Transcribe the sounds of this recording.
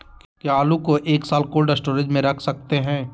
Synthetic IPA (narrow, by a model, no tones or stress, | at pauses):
kiaːlũkoʔeːksaːlkoːlɖəsʈoːɾɪd͡ʒmẽɾɐkʰsɐk̚t̪eɦɛ̃ː